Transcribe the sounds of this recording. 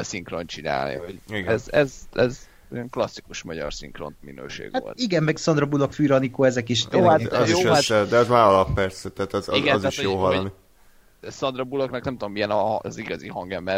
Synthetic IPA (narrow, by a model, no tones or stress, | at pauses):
siŋkront͡ʃina̰ːlnḭhoɟiɡɛzɛzɛz | jɛŋklɒsːikuʃmɒɟɒ̰rsḭŋkro̰nt̪mḭnø̰ːʃḛːɡ̥ʋao̰lt̪iɡɛmmɛɡsɒnd̪rɒbulokfyːɾɒnikoːɛzɛkiʃt̪oatjoːaɛd̪ɛɒzmaːɾɒlɒpːɛrsɛt̪ɛaːt̪ɛziɡɛnziatʃojoːɦɒloni | sɒnd̪rɒbuloknɒknɛmt̪ud̪omːijɛnɒziɡɒziɦɒŋɡɛmbɛ